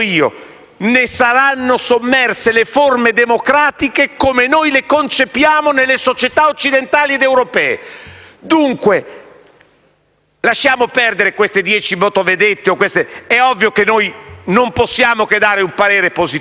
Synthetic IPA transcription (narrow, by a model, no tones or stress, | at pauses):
iːo̰ | nesaɾanːosomːɛrseleformed̪emokɾaːt̪ikekomenojlekont͡ʃepjaːmonelːesot͡ʃet̪aot͡ʃːid̪ent̪aːlied̪ewɾopɛːḛd̪uŋkwe | laʃːaːmopɛrd̪eɾekwest̪ed̪jɛːt͡ʃimot̪oved̪et̪ːeokːwest̪eɛɔvːjokenːojnomposːjaːmoked̪aːɾeumpaɾeːɾepozit